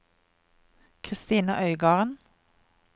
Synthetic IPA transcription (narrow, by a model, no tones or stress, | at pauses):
kʰʁɪst̪iːnəʔœʏɡɑːʁən